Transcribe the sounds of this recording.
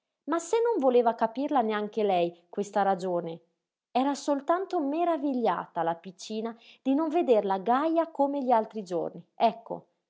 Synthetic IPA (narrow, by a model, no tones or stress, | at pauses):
masenːoɱvoleːvakapirlaneaŋk̟elɛjkwest̪aɾad͡ʒoːne | ɛːɾasolt̪ant̪omeɾaviʎːa̰ːt̪alapit͡ʃːiːnad̪̥inoɱved̪erlaɡajakomeʎialt̪ɾid͡ʒo̰rniɛkʰːo̰